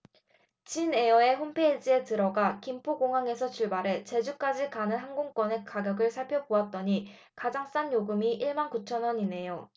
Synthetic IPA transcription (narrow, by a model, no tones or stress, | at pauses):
t͡ɕine̞ʌe̞ɸompʰe̞id͡ʑie̞tɯɾʌɡakimpʰoɡoŋɦaŋe̞sʰʌt͡ɕuɭbaɾe̞t͡ɕe̞d͡ʑuk͈ad͡ʑikanɯnɦaŋɡoŋk͈wʌne̞kaɡjʌɡɯɭsʰaɭpʰjʌpoat̚t͈ʌɲi | kad͡ʑaŋs͈anjoɡɯmiʔiɭmankut͡ɕʰʌnwʌɲine̞jo